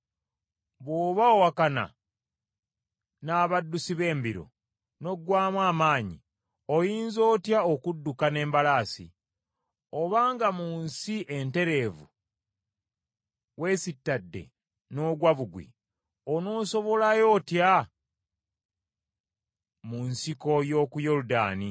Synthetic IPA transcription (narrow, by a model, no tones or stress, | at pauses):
βwoːβaowakana̰ | naːβadːusiβe̞ːmbiɾo̞̰ | no̞ɡwaːmwaːmaːɲḭ | ojiːnzo̞ːtjaokudːukane̞ːmbalaːsḭ | oβaːŋɡamuːnsiʔe̞nte̞ɾe̞ːvṵ | we̞ːsitːadːe̞̰ | no̞ːɡwaβuɡwḭ | ono̞ːso̞βo̞lajo̞ːtja | munsiko̞jo̞ːkujoɾuda̰ːni